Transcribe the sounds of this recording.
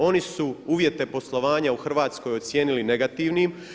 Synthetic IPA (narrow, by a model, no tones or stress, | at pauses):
o̞nisuuːʋje̞t̪e̞po̞slˠo̞ʋaːɲauxr̩ʋaːt̪sko̞jo̞t̪sʲje̞ːniline̞ɡat̪iʋnim